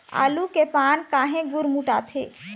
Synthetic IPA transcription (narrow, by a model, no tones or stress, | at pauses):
a̰ːlukepaːnkaːɦẽɡʊɾmuːʈaːt̪ʰḛː